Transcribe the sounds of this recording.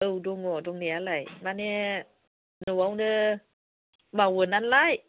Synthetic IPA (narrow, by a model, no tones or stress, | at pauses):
ʔɨwdoŋɔdoŋnialajmanɛ | nuʔawdə | maːwəːnanlaːj